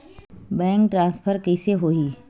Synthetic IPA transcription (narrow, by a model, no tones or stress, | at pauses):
bɛ̃ːŋk̚ʈɾãːnspʰəɾkɐɪseɦoːiː